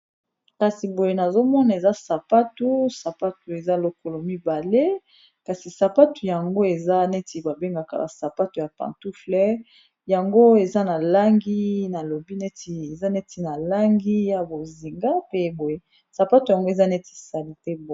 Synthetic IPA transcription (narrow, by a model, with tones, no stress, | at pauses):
ka˨si˨bo˨je˨na˨zo˦mɔ˦na˨e˨za˦sa˨pa˦tu˦sa˨pa˦tu˨e˨za˦lo˦ko˨lo˨mi˦ba˨le˦ | ka˨si˨sa˨pa˦tu˨ja˨ŋɡo˦e˨za˦nɛ˦ti˨ba˨be˦ŋɡa˨ka̰˨ba̰˨sa˨pa˦tu˨ja˨pã̰˨ntu˦flɛ˦ | ja˨ŋɡo˦e˨za˦na˨la˦ŋɡi˦na˨lo˨bi˦nɛ˦ti˨e˨za˦nɛ˦ti˨na˨la˦ŋɡi˦ja˨bo˨zi˨ŋɡa˦pe˦bo˨je˨ | sa˨pa˦tu˨ja˨ŋɡo˦e˨za˦nɛ˦ti̥˨sa˨li˨te˦b